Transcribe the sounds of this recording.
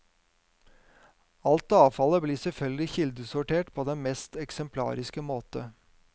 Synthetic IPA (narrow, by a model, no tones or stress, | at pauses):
ɑlt̪ɑːʋfɑləbliːsɛlfœlɡlɪçɪld̪əsʊʈeːʈpʰoːd̪ɛnmɛst̪ɛksɛmpʰlɑ̰ːɾɪskəmoːt̪ə